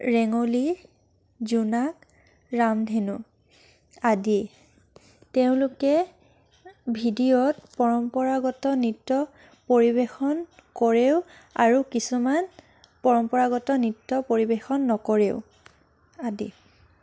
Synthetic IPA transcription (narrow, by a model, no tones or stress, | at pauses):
ɹɛŋoli | zunak | ɹamdʱenu | adi | teʊ̃lukɛ | bʱidijɔtpɔɹɔmpɔɹaɡɔtɔnitːɔ | poɹibexɔnkɔɹeʊ | aɹukisuman | pɔɹɔmpɔɹaɡɔtɔnitːɔpoɹibexɔnːɔkɔɹeʊ | adḭ